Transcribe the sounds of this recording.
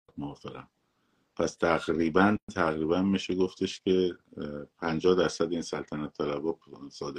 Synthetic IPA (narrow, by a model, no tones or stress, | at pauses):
moɒːfeɣæ̰m | pʰæst̪ʰæɣɾiːbænt̪ʰæɣɾiːbænmiʃeɡoft̪ʰeʃcʲʰe̞ | pʰænd͡ʒɒːhd̪æɾsæd̪iːnsælt̪ʰænæt̪ʰːælæbɒːsɒːd̪e